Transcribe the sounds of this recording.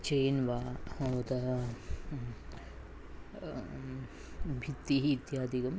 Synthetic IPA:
t͡ʃeːnʋaːt̪ɐ | bʱit̪ːiɦːt̪jaːd̪ikɐm

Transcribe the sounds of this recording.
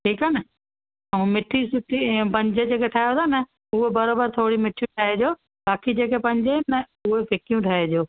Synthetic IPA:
ʈʰiːkanɪ | ũmɪʈʰisʊʈipɐ̃ɲd͡ʑed͡ʑeːkeʈʰaːɦjot̪ʰanə | ʊɦebɐɾabəɾt̪ʰoːɽimɪʈʰjũʈʰaːɦed͡ʑoː | baːkid͡ʑeːkepɐ̃ɲd͡ʑenə | ʊɦepɪkijũʈʰaːɦed͡ʑoː

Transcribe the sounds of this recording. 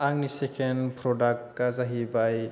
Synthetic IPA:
aŋnisekʰenpʰɾɔdak̚tkazaɦibaj

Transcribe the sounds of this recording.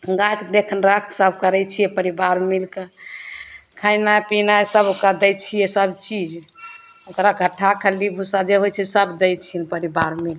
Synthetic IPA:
ɡat̪d̪ekʰənɾəkʰsəbkəɾɛjt͡ʃʰijɛpəɾibaɾmilke | kʰajnapinasəbokɾad̪ɛjt͡ʃʰijɛsəbt͡ʃid͡ʒ | okɾaɡʱəʈʰːakʰəlibʱusad͡ʒeɦojt͡ʃʰɛsəbd̪ɛjt͡ʃʰinpəɾibaɾmil

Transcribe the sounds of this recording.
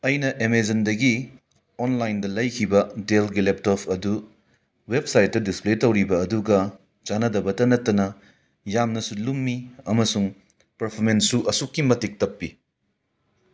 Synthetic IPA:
ɐjnɐʔemed͡ʒɐndɐɡi | onlajndɐlɐjkʰibɐdelɡilep̚topʰɐdu | web̚sajt̚ːɐdispletɐwɾibɐːduɡɐ | t͡ʃanɐdɐbɐtɐnɐtːɐnɐ | jamnɐsulumːiɐmɐsuŋ | pɐɾpʰoɾmensːuʔɐsukːimɐtik̚tɐpːi

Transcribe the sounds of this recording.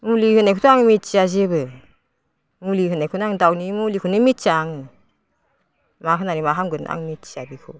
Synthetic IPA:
mulihɯnekʰutuaŋmit̚t͡ʃiazibɯ | mulihɯnekʰunaŋdawnimulikʰunɯmitt͡ʃaŋɯ | maɦɯnanimaɦamɡɯna̰ŋmitt͡ʃiabikʰɔ

